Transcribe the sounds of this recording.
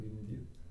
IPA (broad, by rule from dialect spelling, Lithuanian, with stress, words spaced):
ɡʲɪmʲˈdʲiːt